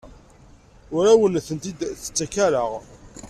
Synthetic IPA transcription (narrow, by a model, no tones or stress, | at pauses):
ʊɾæwənθənt̪id̪θə̥t͡sːækæɾəʁ